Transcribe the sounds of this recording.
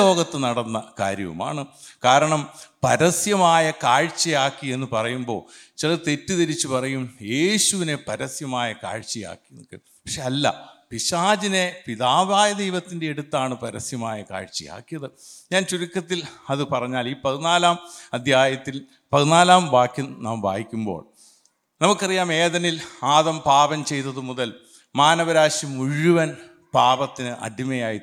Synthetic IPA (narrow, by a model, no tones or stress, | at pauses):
o̞ːɡɐt̪ːɨnɐɽɐnːɐka̰ːɾjɐ̰ʋṵma̰ːɳɨkaːɾɐɳɐmpɐɾɐsjɐmaːjɐkaːɻt͡ɕːɐjaːkːie̞nːɨpɐrɐjumbo̞̰ː | t͡ɕilɐt̪e̞tːut̪eɾit͡ɕːupɐrɐjumje̞ːɕuʋine̞pɐɾɐsjɐmaːjɐka̰ːɻt͡ɕːɐja̰ːkːin̰kːɨ̰ | pɐkʂeɐlːɐ̰piɕaːd͡ʑine̞piðaːʋaːjɐd̪ejʋɐt̪ːinde̞eɽut̪ːaːɳɨpɐɾɐsjɐmaːjɐka̰ːɻt͡ɕːɐ̰ja̰ːkːijɐðɨ | ɲaːnt͡ɕuɾikʲːɐt̪ːilɐðɨpɐrɐɲːaːliːpɐðunaːlaːmɐd̪ʱjaːjɐt̪ːil | pɐðunaːlaːmbaːkjɐnna̰ːmba̰ːɡikʲːumbo̞̰ːɭ | nɐmukːɐrijaːme̞ːðɐnilaːðɐmpaːbɐmt͡ɕe̞jt̪ːɐðɨmuðɐl | maːnɐʋɐɾaːɕimuɻuʋɐn | paːbɐt̪ːinɨʔɐ̰dimɐjaːji